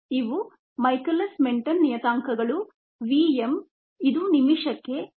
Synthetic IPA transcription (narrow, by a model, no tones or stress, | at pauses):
iʋu | mɐjkɐlɐsmeɳʈɐnːijɐt̪aːŋkɐɡɐɭu | ʋiem | id̪unimiʂɐkːe̞